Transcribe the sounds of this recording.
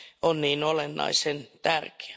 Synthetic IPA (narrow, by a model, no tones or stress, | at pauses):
onniːnolenːɑ̰isent̪ærke̥æ̥